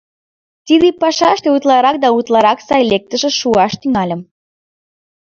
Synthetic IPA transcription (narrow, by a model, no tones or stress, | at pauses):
t̪id̪epɑʃɑʃt̪eut̪lɑɾɑk̚d̪ɑut̪lɑɾɑksɑjlek̚t̪ə̆ʒĕʃuɑʃt̪yŋɑlʲə̆m